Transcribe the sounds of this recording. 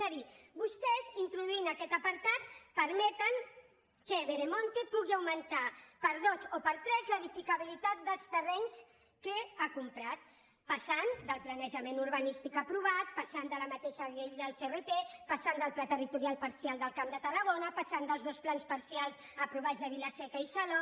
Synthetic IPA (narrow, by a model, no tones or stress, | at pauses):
əðibust̪ɛzint̪ɾuðuinəkɛt̪əpəɾt̪at̪̚pəɾmɛt̪əŋ | kəβeɾemont̪epuɣiawmənt̪apəɾðozopəɾt̪ɾɛzləðifikəβ̞ilit̪at̪̚d̪əlˠst̪ərɛɲs | kəakumpɾat̪ | pəsand̪əlˠplanəʒəmenuɾβənist̪ikəpɾuβat̪̚pasand̪ələmət̪eʃəɣeʎd̪əlˠferet̪epasand̪əlˠplat̪ərit̪uɾialˠpəɾsialˠd̪əlˠkamd̪ət̪ərəɣonəpasand̪əlˠzðosplanspəɾsialˠz | əpɾuβazðəβilasɛkəisəlo